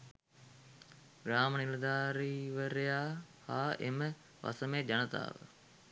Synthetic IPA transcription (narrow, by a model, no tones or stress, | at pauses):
ɡɾaːmənild̪aːɾiːʋəɾejaːhaːemə | ʋʔɐ̰səmeːd͡ʒɐnət̪a̰ːʋə̰